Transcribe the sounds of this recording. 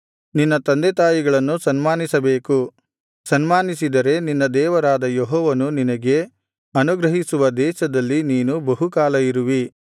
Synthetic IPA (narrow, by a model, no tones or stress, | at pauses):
ninːɐt̪ɐnd̪et̪aːjiɡɐɭɐnːusɐnmaːnisɐbeːku | sɐnmaːnisid̪ɐɾe̞ninːɐd̪ɛːʋɐɾaːd̪ɐjeɦɔːʋɐnuninɐɡe̞ | ɐnuɡɾɐɦisuʋɐd̪ɛːʃɐd̪ɐlːiniːnubɐɦukaːlɐiɾuʋi